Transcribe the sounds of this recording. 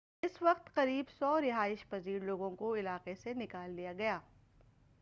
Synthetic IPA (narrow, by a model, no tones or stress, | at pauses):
ɪsʋɐqt̪qɐɾiːbsɔːɾɪɦaːɪʃpɐziːɾloːɡõkoɪlaːqesenɪkaːlːijaɡɐjaː